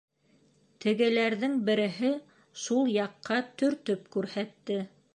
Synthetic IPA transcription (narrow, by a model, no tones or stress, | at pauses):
t̪ɘ̆ɡɘ̆læɾðɘŋbɘ̆ɾɘ̆ɦɘ | ʃulˠjɑqːɑt̪ɵ̆ɾt̪ɵpkʉɾhæt̪ːɘ